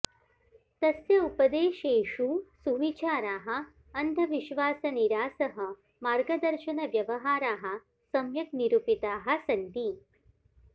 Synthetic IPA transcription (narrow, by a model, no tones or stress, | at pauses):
t̪ɐsjɐupɐd̪eːʃeːʂuːsuʋit͡ʃaːɾaːɦɐ̆ | ɐnd̪ʱɐʋiʃʋaːsɐniɾaːsɐɦɐ̆ | maːɾɡɐd̪ɐɾʃɐnɐʋjɐʋɐɦaːɾaːɦɐ̆ | sɐmjɐkniɾupit̪aːɦɐ̆sɐnt̪i